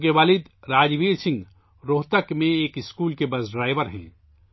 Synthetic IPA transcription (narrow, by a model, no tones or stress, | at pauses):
keʋaːlɪd̪ɾaːd͡ʒʋiːɾsɪ̃ŋɡ | ɾoːt̪əkmẽeːkɪskuːlkebɐsɖɾaːɪʋəɾɦɛ̰̃ː